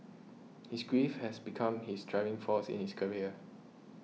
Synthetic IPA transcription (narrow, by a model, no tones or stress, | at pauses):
hisɡɹifhɛsbikʰãmhisdʰɹaɪvɪ̃ŋfɔsɪ̰̃nhiskʰəɹiə